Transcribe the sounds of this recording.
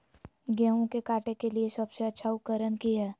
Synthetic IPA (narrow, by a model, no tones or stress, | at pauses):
ɡaːɦõkekaːʈekeliesɐbseɐtːʃʰaʊkəɾənkiɦɛː